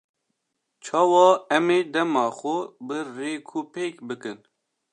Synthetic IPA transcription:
t͡ʃʰɑːwɑːɛmeːd̪ɛmɑːxʷʊbɨreːkʰuːpeːkbɨkɨn

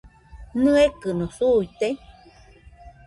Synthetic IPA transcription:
nɨekɨnosuit̪e

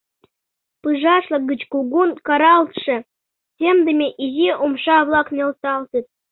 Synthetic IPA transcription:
pɯʐɑʃlˠɤ̆ɡət͡ɕkuɡunkɑɾɑlt̪ʂɤ̆ | sʲemd̪ə̆mʲeʔiziʔomʃɑβlˠɑknʲelsɑlˠt̪ɨt̪̚

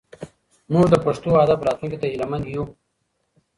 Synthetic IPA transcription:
muʐd̪əpɐʂt̪oad̪afɾɑːt̪lunkit̪aɦilamand̪ju

